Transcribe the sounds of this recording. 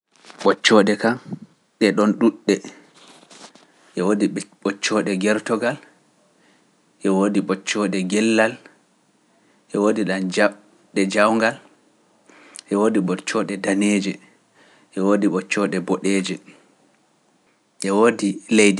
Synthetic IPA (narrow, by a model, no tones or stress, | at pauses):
ɓɔt͡ʃːɔɗɛka | ɗɛɗɔnɗuɗːɛ | ʔɛwodiɓɔt͡ʃːɔɗɛɡɛɾtɔɡal | ʔɛwodiɓɔt͡ʃːɔɗɛɡɛlːal | ʔɛwodiɗand͡ʒa | ɗɛd͡ʒawŋɡal | ʔɛwoːdiɓɔt͡ʃːɔɗɛdaneːd͡ʒɛ | ʔɛwodiɓɔt͡ʃːɔɗɛbɔɗɛːd͡ʒɛ | ʔɛwoːdilejdi